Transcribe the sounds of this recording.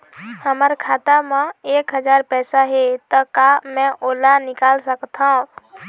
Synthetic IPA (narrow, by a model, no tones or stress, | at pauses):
həmaɾkʰaːt̪amãeːkɦəd͡ʒaːɾpɛːsaɦɛt̪ɔkamɛ̃ʔoːlanɪkaːlsəkt̪aɦũ